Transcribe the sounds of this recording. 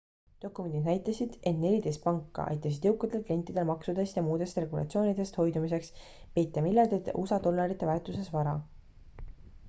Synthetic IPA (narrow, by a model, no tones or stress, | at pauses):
d̪̥o̞kːˑume̞nd̪id̪næjt̪ːˑɑsid̪̥e̞t̪ne̞lʲid̪e̞jst̪̚pɑŋkːɑ̰ʔɑ̰jt̪ːˑɑs̬id̪̥jɤwkːˑɑd̪ek̪le̞nt̪ːˑid̪̥e̞lmɑksud̪est̪jɑmuːd̪e̞st̪re̞ɡulɑ̰t̪sio̞ːnid̪̥e̞st̪ho̞jd̪umise̞ks | pe̞jt̪ːˑɑmilːɑrd̪et̪ʔṵsɑd̪̥o̞lːɑɾit̪ːˑe̞vært̪ˑuse̞svɑɾɑ